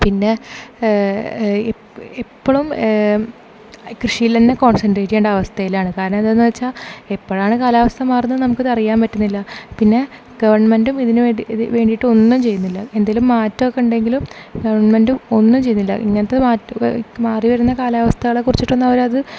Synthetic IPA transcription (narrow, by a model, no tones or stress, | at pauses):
pinːe̞ | epːoɭum | krɨʂijilt̪ɐnːeko̞ːɳsɐnɖreːʈːikeːɳɖɐɐʋɐst̪ʰɐjilaːɳɨkaːɾɐɳɐmed̪enːɨʋɐt͡ɕːaːepːoɻaːɳɨkaːlaːʋɐst̪ʰɐmaːrunːɐðɨnɐmukːɨðɐrijaːmpɐtːunːilːɐpinːe̞ | ɡ̥ɐʋɐrɳɐmendumiðinuʋe̞ːɳɖijiʈːɨo̞nːumt͡ɕe̞jːunːilːɐend̪aːlumːaːtːɐʋkːeuɳɖe̞ŋɡilumɡɐʋɐrɳɐmendumo̞nːumt͡ɕe̞jːunːilːɐ̰ʔḭŋːɐnɐt̪ːeaːmaːriʋɐɾunːɐkaːlaːʋɐst̪ʰɐɣɐɭe̞kːurit͡ɕːiʈːonːɐʋɐɾmɐðɨ